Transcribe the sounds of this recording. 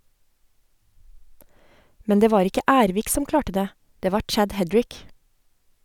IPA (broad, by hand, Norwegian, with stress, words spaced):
ˈmɛn ˈdeː ˈʋɑːɾ ˈɪkə ˈæːɾʋiːk ˈsɔm ˈklɑːʈə ˈdeː ˈdeː ˈʋɑː ˈt͡ʃæd ˈhɛdɹɪk